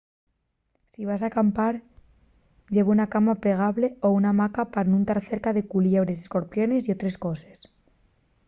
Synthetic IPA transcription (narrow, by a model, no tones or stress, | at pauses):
siβ̞asakampaɾ | ɟ͡ʝe̞βunakamapɾe̞ɣ̞aβle̞o̞unamakapaɾnũnt̪aɾθe̞ɾkaðe̞kuljeβɾes̬esko̞ɾpjo̞ne̞sio̞t̪ɾe̞sko̞ses